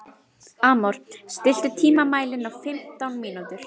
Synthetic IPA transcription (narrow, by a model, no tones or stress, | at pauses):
aːmɔɾ̥st̪ɪl̥t̪ʏt̪ʰiːmamaːjlɪnawfɪm̥t̪awnmiːnut̪ʏɾ̥